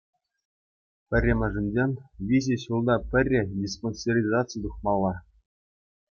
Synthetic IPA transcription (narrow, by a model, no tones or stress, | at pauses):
pʲɘ̆rʲːĕmʲɑ̆ʐɘ̆nʲd͡ʑʲenʲʋʲiʑʲeɕulˠd̪ɑpʲɘ̆rʲːɘ̆dʲisponʲserʲizɑtt͡sɨjt̪uχmɑlˠːɑ